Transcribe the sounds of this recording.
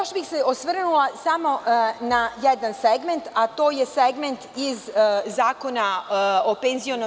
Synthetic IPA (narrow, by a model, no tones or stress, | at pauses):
oʃbixseʔosʋr̩nulasamo̞najed̪anseɡme̞nt̪at̪o̞ːjeseɡment̪izzaːko̞naopenzio̞no